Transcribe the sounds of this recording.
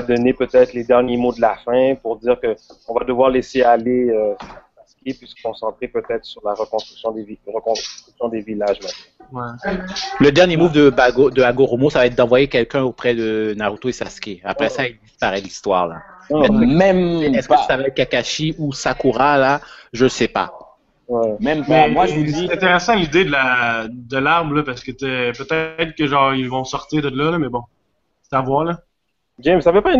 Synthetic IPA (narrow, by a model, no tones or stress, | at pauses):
ad̪ɔnepøt̪ɛt̪χled̪ɛʁnjemod̪əlafɛ̃puʁd̪iːʁkəɔ̃vad̪əvwaʁlesealeøasaskʲepɥisə̥kɔ̃sɑ̃t̪χepøt̪ɛt̪χə̥syʁlaʁəkɔ̃st̪χʁyksjɔ̃d̪eʁəkɔ̃st̪χyksjɔ̃d̪evilaʒmɛt̪nɛ | ɛ | ləd̪ɛʁnjemuvd̪əbaɡod̪əaɡoʁomosavaɛt̪̚d̪ɑ̃vwajekʲɛlkʲɛ̃opχɛd̪ənaʁut̪oesaskʲeapχɛsaild̪ispaʁɛd̪əlist̪wa̰ːʁla̰ɛmɛmɛskəsavaɛt̪̚kakaʃiusakuʁalaʒəsɛpa̰ | wɛmɛmpmɛmwaɛit̪ɛ̃t̪eʁɛsɑ̃lid̪ed̪əlad̪əlaʁbləpaʁsə̥kət̪ɛpøt̪ɛt̪χkʲəʒɑ̃ːʁilvɔ̃sɔʁt̪iːʁd̪əd̪əlʌləmɛbɔ̥̃ | t̪avwalə | d͡ʒɪmsavøpa